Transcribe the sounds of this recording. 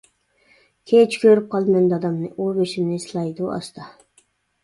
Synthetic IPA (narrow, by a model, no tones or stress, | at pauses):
kʲʰet͡ʃkʲʰøɾyp̚qʰɑlˠmɛnd̪ɑd̪ɑmnɨʔubeʃimnɪslˠɑjd̪uʔɑ̰st̪ʰɑ